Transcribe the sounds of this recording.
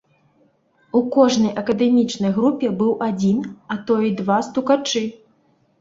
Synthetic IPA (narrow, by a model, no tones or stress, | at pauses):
ukɔʐnɐjʔɐkɐd̪ɛmʲit͡ʂnɐjɣɾupʲɛbɨwʔad͡zʲinɐt̪ɔjid̪vast̪ukat͡ʂɨ